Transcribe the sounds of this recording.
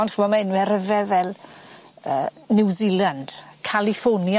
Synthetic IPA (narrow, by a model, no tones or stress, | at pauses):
ndχəmɔmaɪnwɛɾəvɛvɛlˠ | əːnɪwziːlˠand̥kʰalifonja